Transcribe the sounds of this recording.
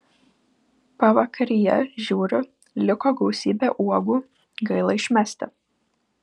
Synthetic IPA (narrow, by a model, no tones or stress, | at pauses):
pɐʋɐkʰɐɾʲɪjɛ̰ʒʲuːɾʲʊ | lʲɪkoːɡɐʊsʲiːbʲeʔuɔɡuː | ɡɐɪlˠɐɪʃʲmʲæsʲt̪ʲɪ